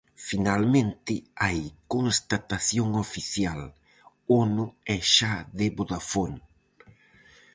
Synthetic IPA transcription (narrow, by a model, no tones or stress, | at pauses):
finalmẽnt̪ɪajkonst̪at̪aθjoŋofiθjal | onʊɛʃaðeboðafon